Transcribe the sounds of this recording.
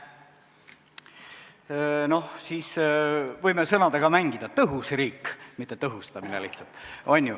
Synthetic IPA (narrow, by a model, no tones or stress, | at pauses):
no̞hsiːsvɤjmesɤnɑd̪ɑɡ̥ɑmæŋɡ̥id̪̥ɑt̪ɤɦusriːkmit̪ːˑet̪ɤɦust̪ɑminḛliht̪sɑlt̪ˑʔonʲːju